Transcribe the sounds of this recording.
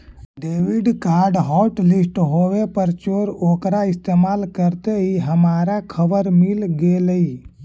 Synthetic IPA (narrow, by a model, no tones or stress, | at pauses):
ɖeːʋɪɖkaːɾɖɦɔːʈlɪsʈɦoːʋepəɾt͡ʃoːɾoːkɾaɪst̪eːmaːlkəɾt̪eɦiɦəmaːɾakʰəbəɾmilɡeləi